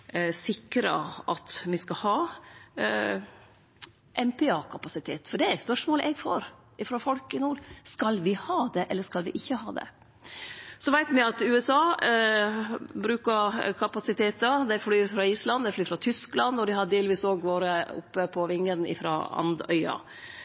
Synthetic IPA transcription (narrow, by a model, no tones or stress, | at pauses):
sɪkɾə̰ʔɑt̪mɪskɑhɑː | ʔɛmpʰɛɑːkʰɑpɑsɪt̪ʰeːt̪fɔɖɛæɾspœʂmoːlʔɛɡfo̰ːɾ | ɪfɾɑfɔlkɪnuːɾskɑlʋɪhɑːd̪ɛʔɛlːəʂkɑlʋɪʔɪçːəhɑ̰ːd̪ɛ̰ | sɔʋæɪt̪mɪɑt̪ʉːɛsɑː | bɾʉːkəɾkʰɑpɑsɪt̪ʰeːt̪əɾd̪ɛflyːɾfɾɑːiːslɑnd̪ɛflyːɾfɾɑt̪ʰʏsklɑnːɔd̪ɪhɑdd̪eːlʋiːsoːɡʋoːɾəʊ̰pːəpʰɔʋɪŋːənɪ̰fɾɑ̰ɑ̰nd̪œ̰ʏɑ̰